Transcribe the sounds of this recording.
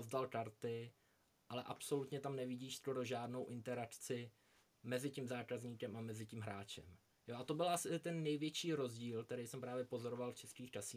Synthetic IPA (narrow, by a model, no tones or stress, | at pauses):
ozdalkaɾt̪ɪ | ʔalɛʔapso̞lut̪ɲɛt̪amnɛvɪɟiːʃsko̞ɾo̞ʒaːdno̞wʔɪnt̪ɛɾakt͡sɪ | mɛzɪcɪmzaːkazɲiːkɛmʔamɛzɪcɪmɦɾaːt͡ʃɛ̰m | jo̞ʔat̪o̞bɪlʔasɪɪt̪ɛnːɛjvjɛt͡ʃiːɾo̞zɟiːlk̚t̪ɛɾɛjsɛmpɾaːvjɛpo̞zo̞ɾo̞valft͡ʃɛskiːxt͡ʃasiː